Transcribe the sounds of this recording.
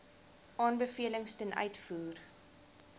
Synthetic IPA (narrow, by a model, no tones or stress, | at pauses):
ʔɑːnbəfiələŋstənʔœ̰ɥtfuːr